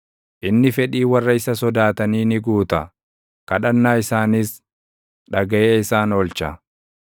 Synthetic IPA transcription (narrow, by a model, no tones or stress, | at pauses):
ʔɪnːɪfɛᶑiːwɐrːɐɪsɐsɔd̪aːt̪ɐniːnɪɡuːt̪ɐ | kɐᶑɐnːaːɪsaːnɪs | ᶑɐɡɐʔeːɪsaːnɔlt͡ʃɐ